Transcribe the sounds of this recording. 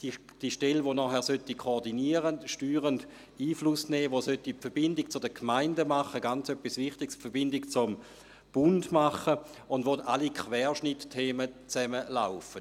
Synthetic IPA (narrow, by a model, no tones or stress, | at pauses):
i | d̥iʃtelʋonɔːhɛɐsøtikʰoːdiniəʁənʃtyːʁənd | iːflusnɛːʋosøtipfɐb̥ɪndɪk̚t͡sʊdəkʰmaɪndəmaχəɡant͡søpːisvɪχtiɡspfɛɐbɪndɪkt͡sʊm | b̥ʊndmaχəʊndvʋotalikʰχvɛːʃnɪttʰeːmət͡sɛməlaʊfə